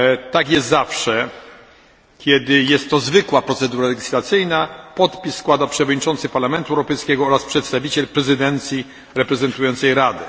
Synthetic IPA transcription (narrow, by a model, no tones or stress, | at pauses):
t̪akjɛst̪zafʂɛ | kʲɛd̪ɪjɛst̪ːɔzvɘkwapɾɔt̪sɛd̪uɾalɛɡʲislat̪sɘjnapɔt̪pʲissːkwad̪apʂɛvɔd̪ɲit͡ʂɔnt̪sɘpaɾlamɛnt̪uɛwɾɔpɛjskʲɛɡɔɔɾaspʂɛt̪st̪avʲit͡ɕɛlpɾɛzɨd̪ɛnt̪sʲji | ɾɛpɾɛzɛnt̪ujɔnt̪sɛjɾad̪ɛ